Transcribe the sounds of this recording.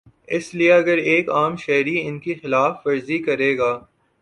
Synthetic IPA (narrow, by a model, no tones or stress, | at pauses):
ɪslieɐɡəɾeːkaːmʃɛɦɾiɪnkixɪlaːfːɐɾzikɐɾeːɡaː